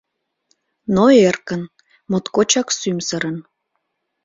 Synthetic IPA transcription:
noerkən | mot̪kot͡ɕɑksymsəɾən

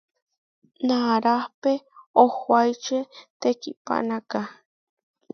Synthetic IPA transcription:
naɾahpeohwajt͡ʃet̪ekipa̰ʔnaka

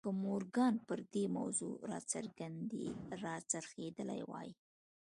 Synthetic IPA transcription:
kəmoɾɡɑnpəɾd̪ema̰wzo̰ɾɑ̰t͡sa̰ɾɡand̪eɾɑt͡saɾxed̪əla̰jwɑ̰ji

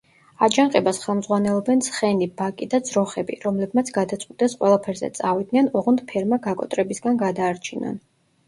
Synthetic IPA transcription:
ad͡ʒaŋqʼɛbasχɛlˠmdzʁwanɛlˠɔbɛnsχɛnibakʼid̪ad̪zɾɔχɛbḭɾɔmlɛbmat̪sʰɡad̪at̪sʼwit̪ʼɛsqʼwɛlˠapʰɛɾzɛ̰t̪sʼavid̪̚nɛnɔʁund̪pʰɛɾmaɡakʼɔ̰t̪ʼɾɛbisɡanɡad̪aːɾt͡ʃʰinɔ̰n

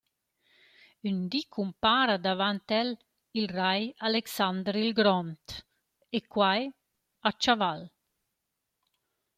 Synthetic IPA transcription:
ynd̪ikʰumpaːɾad̪avant̪ɛl | ilrajaleksand̪ɾilɡɾɔnt̪ | ekwaj | at͡ʃaval

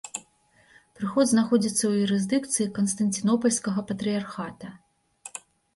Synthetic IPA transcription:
pɾɨxɔd̪znaxɔdd͡zʲit̪sːɐwjuɾɨzd̪ɨkt̪sɨjikɐnst̪ɐnʲt̪ʲinɔpɐlʲskɐɣɐpɐt̪ɾɨjarxat̪ɐ

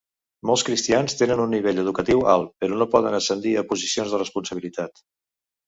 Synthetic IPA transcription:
molˠskɾist̪ianst̪enənunːiβeʎəð̞ukət̪iwa̰lˠpəɾɔnopɔðənəsənd̪iəpuzisionzðərəspunsəβ̞ilit̪at̪

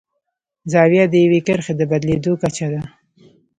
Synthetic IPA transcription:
zɑwjad̪əjawekəɾxed̪əbad̪led̪okat͡ʃad̪a

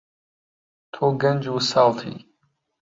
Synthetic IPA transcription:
t̪ʰoɡɐnʲd͡ʒuːsalt̪ʰḭ

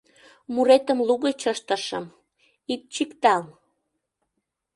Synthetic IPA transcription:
muɾet̪əmluɣet͡ɕəʃt̪ə̆ʃəm | ik̚t͡ɕikt̪ɑl

